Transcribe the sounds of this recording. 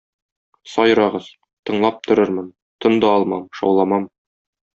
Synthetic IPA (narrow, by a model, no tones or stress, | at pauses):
sɒjɾɑʁɤz | t̪ɤ̆ɴlˠɑp̚t̪ʰŏɾɤɾmɤn | t̪ɤ̆nd̪ɑɒlˠmɑmʃɒ̰wlˠɑmɑm